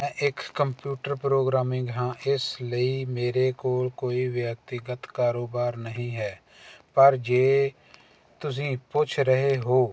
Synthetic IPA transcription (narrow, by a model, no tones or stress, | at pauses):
ɛ̃ːʔɪkːəmpjuːʈəɾpɾoːɡɾaːmɪ̃ŋɡɦãːʔɪsləiːmeːɾeːkoːlkoːiːʋjək̚t̪ɪɡət̪kaːɾoːbaːɾnəɦĩːɦɛː | pəɾd͡ʒeː | t̪ʊs̬ĩːpʊt͡ʃʰɾəɦeɦoː